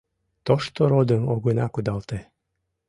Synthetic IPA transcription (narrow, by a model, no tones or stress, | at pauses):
t̪oʃt̪oɾod̪əmoɣənɑkud̪ɑlˠt̪e